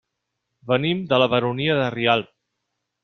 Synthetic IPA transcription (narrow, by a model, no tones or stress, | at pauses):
bənimd̪ələβəɾuniəðərialˠ